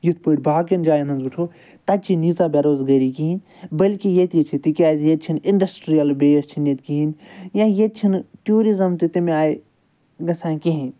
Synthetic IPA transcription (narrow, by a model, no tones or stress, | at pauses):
jut̪̚ʰpuʈʲbaːkind͡ʒaːjɐnɐnzuʈʰoː | t̪ɐt͡ʃʰinizaːbeɾoːzɡɐɾikiin | bɐlkijet̪it͡ʃʰit̪ikʲaːzjet͡ʃʰiniɳɖɐsʈɾijɐlbeːjst͡ʃʰinet̪kiɦinjãjet̪̚t͡ʃʰinʈjuːɾizɐmt̪et̪imẽaːe | ɡɐsãːkeɦĩn